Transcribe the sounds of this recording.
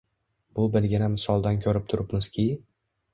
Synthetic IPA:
b̥ʊbɪlɡʲɪnamɪsɒlˠd̪ankʲʰɵɾɪp̚t̪ʰʊɾʔɪpmɪz̥kʲʰɪ

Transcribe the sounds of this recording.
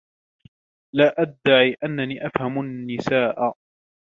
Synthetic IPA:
laːʔad̪ːaʕiːʔanːaniːʔafhamʊnːɪsaːʔ

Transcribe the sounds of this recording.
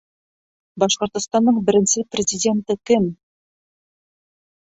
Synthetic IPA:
bɑʃqŏɾt̪ŏst̪ɑnd̪ɤɴbɪ̆ɾɪ̆nsɪprʲɪzʲɪdʲe̞nt̪ɪkɪm

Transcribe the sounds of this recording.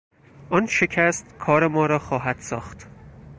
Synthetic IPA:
ʔɒnʃecʰæst̪kʰɒːɾemɒːɾɒːxɒːɦæd̪̥sɒːxt̪

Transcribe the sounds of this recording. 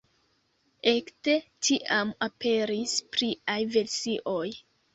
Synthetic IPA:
ekte̞tʰiʔamape̞ɾispɾiajve̞ɾsiʔo̞j

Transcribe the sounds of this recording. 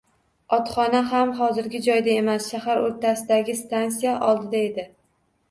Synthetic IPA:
ɒt̪χɒnaɦamɦɒzɪɾɡʲɪd͡ʒɒjd̪ae̞masʃahaɾoɾt̪ʰasɪd̪aɡʲɪst̪ansijaʔɒlˠd̪ɪd̪ae̞d̪ɪ

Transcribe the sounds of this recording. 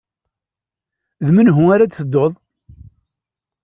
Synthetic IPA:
ðmənɦʊaɾaθəd̪ːoðˤ

